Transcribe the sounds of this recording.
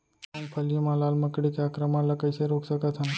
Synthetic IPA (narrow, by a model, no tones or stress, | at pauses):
ɐ̃pʰəlijəmãlaːlməkɽikeaːkɾəmãləkəjseɾoːksəkət̪ʰɦə̃n